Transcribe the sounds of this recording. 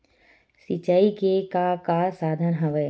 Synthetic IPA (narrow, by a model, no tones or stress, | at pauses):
sit͡ʃaːikekakasaːd̪ʱənɦɐʋə